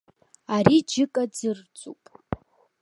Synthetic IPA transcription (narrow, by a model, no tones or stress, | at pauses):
aɾid͡ʒɨkʼad͡zɨrt͡sʼupʼ